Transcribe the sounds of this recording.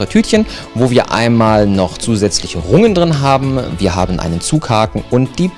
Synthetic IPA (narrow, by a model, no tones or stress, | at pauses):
ʁətʰyːtçən | voːviːɐʔa̰ɪnmaːlnɔχt͡suːzɛt͡slɪçəʁʊŋəndʁɪnɦaːbm̩viːɐɦa̰ːbn̩ʔa̰ɪnənt͡suːkhaːkŋ̩ʊnt̚d̥iː